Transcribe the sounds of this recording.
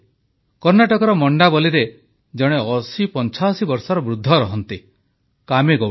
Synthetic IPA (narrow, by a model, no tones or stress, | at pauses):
kɔɾnaʈɔkɔɾɔmɔɳɖabɔliɾe | d͡ʒɔɽ̃eɔsipɔnt͡ʃʰasibɔɾsɔɾɔbɾud̪ʱːɔɾɔɦɔnt̪i | kameɡɔ